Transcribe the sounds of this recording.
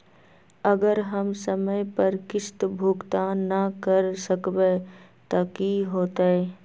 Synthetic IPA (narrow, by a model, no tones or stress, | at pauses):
əɡəɾɦəmsəməjpəɾkɪst̪bʱuɡt̪anəkəɾsəkbe | t̪ɐkiɦoːt̪aɛ